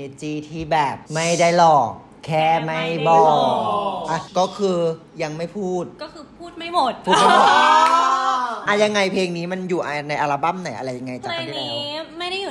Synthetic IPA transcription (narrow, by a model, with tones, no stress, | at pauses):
e˧t͡ɕiː˧t̪ʰiː˥˩bɛː˨˩p̚ma˥˩jda˥˩jlɔː˨˩k̚ | kʰɛː˥˩ma˥˩jjbɔː˧˩ʔa˧˩kɔː˥˩kʰɯː˧ | ja˧ŋma˥˩jpʰuː˥˩t̪̚ɔː˥˩kʰɯː˧pʰuː˥˩t̪̚ma˥˩jmo˨˩t̪̚ʰuː˥˩t̪ma˥˩jamo˨˩t̪̚ | ʔa˧ja˧ŋːa˧jpʰeː˧ŋniː˦˥ma˧njuː˨˩ʔa˧na˧jʔaː˧ɾaː˧ba˥˩˨mna˨˩˦jʔa̰˧ɾa˧jːa˧ŋːa˧jt͡ɕaː˨˩kʰa˧˩tʰi˥t̪lɛː˦wma˥˩ja˥˩juː˨˩